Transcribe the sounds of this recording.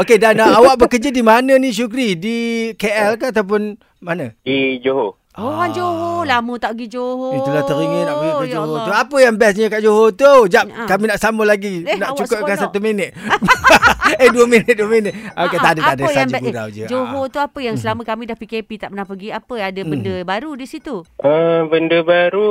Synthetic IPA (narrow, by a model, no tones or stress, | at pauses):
okedanaawak̚bəkərd͡ʒadimanəniʃ̬ukɾidikeʔɛlkaat̪awp̬ʊn | manəɡ̥id͡ʒoɦo | oand͡ʒoɦolamət̪aʔɡid͡ʒoɦoəlat̪əɾiŋənaʔbəiʔkad͡ʒoɦot̪uapəjaŋbɛs̬ɲəkaʔd͡ʒoɦot̪ud͡ʒaʔkaminaʔsaməlaɡinaʔt͡ʃukəp̚kasat̪umenət̪̚ | əduəminɪt̪̚duəminət̪̚akat̪adətadəsad͡ʒəɡuɾa̰wd͡ʒə̰d͡ʒoɦot̪uapəjaŋsəlaməkamĩdahpikepit̪aʔpənahpəɡiapəadəbəndəbaɾudisit̪uʔəbəndəbaɾu